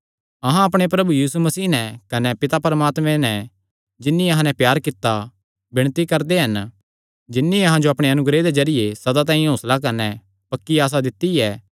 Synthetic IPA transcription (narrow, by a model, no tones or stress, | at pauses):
ɐɦãɐpɽ̃epɾɐbujiːsumɐsiːnɛkɐnɛpɪt̪apɐɾəmaːt̪mɛ̃nɛ | d͡ʒɪnːĩɐɦãnɛpjaːɾkɪt̪ːa | bɪɽ̃t̪ikɐɾd̪eɦɐn | d͡ʒɪnːiɐɦãd͡ʒoɐpɽ̃eɐnʊɡɾed̪ed͡ʒɐɾɪjesɐd̪at̪̬ãːĩɦoːslak̬ɐɾnɛ | pɐkːiaːs̬ad̪ɪt̪ːiɛː